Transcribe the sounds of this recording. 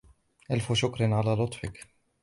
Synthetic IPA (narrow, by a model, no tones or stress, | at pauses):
ʔalfʊʃʊkɾɑnʕalaːlʊt̪ˤfɪk